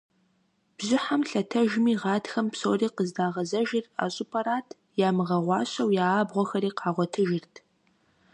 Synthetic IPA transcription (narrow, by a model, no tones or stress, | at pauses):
b̥zɪħamɬɐtʰɐʒmiːʁɑːtxɐmpsoːriːqəzdaːʁɐzɐʒɪra̰ːɕʼupʰɐɾaːtʰ | jaːmɨʁɐʁʷɑːɕɐwjaːbʁʷɔxɐɾiːqɑːʁʷɔtʰɨʒɪrtʰ